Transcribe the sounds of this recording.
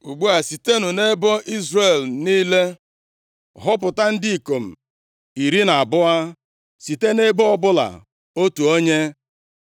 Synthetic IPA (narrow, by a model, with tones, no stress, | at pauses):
u˨ɡ͡bu˦a˨si˨te˦nʊ˨ne˦bɔ˦ʔi˦zre˨lniː˦le˦ | ɦɔ˦p̬ʊ˨ta˦n̩˦dɪ˦i˨ko˨m̩˨ | i˨ɾi˦na˨a˨bʊ˦a˦ | si˨te˦ne˦bɔ˦ɔ˦bʊ˦la̰˨ | o˦tu˨o˦ɲe˦